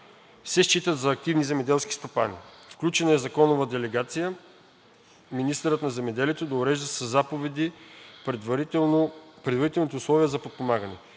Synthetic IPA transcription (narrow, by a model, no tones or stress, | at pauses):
sɛʃt͡ʃit̪ət̪d̪zɐːk̚t̪ivnizɛmɛd̪ɛlˠski̥st̪opa̰nḭfklʲut͡ʃɛnɐɛzɐkɔnʊvəd̪ɛlɛɡat̪sijə | minist̪əɾət̪nɐzɛmɛd̪ɛliɛt̪od̪ɐʊɾɛʒd̪əsɐzːapovɛd̪i | pɾɛd̪vɐɾit̪ɛlˠnit̪oʊslˠɔviəzɐpot̪̚pomaɡənɛ̰